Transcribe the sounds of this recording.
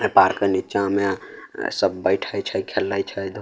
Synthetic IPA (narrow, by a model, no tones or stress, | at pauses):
epaɾkənit͡ʃamesəbːəjʈʰəjt͡ʃʰəjkʰelːəjt͡ʃʰəjd̪ʱ